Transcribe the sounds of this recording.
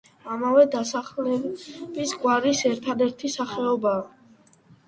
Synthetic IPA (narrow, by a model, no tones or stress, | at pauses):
amavɛd̪asaχlɛbisɡwaɾisɛɾt̪ʰad̪ɛɾt̪ʰisaχɛɔbaː